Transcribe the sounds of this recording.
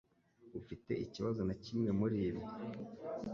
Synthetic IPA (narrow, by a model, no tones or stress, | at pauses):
ufite̞̰ʔiciβazo̞nacimŋe̞muɾiːβi